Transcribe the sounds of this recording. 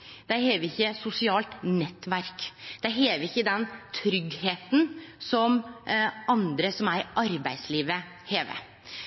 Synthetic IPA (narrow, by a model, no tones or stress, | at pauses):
d̪̥æɪheːʋəɪçːəsʊsɪɑːlt̪nɛt̪ːʋæɾkd̪̥æɪɦeːʋəɾɪçːəd̪ɛnt̪ʰɾʏɡheːt̪n̩sɔm | ɑnd̪ɾəsɔmæɾʔɑɾbæɪsliːʋə | heːʋə̰